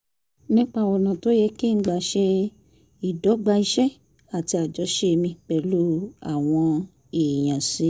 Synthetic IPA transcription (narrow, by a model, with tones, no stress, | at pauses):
nĩ˦k͡pa˦˨wɔ˨nã˨to˨˦jɛ˧ki˦˧˦ɡ͡ba˨ʃe˧ | i˨dɔ˨˦ɡ͡ba˧i˧ʃɛ˦ | a˨ti˧a˨d͡ʒɔ˨˦ʃe˧mĩ˧k͡pɛ˨˦lu˦a̰˦˨w̃ɔ̃˧ | e˨j̃ã˨si˨˦